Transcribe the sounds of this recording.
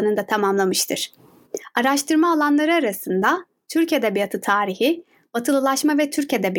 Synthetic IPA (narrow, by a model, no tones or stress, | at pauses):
nɯnd̪at̪ʰamamlˠamɯʃt̪ʰɯɾ̥ | aɾaʃt̪ʰɯɾmaːlˠanlˠaɾɯaɾasɯnd̪a | t̪ʰyɾcʰed̪ɛbijat̪ʰɯt̪ʰaːɾihi | b̥at̪ʰɯlˠɯlˠaʃmavɛt̪ʰyɾced̪ɛbi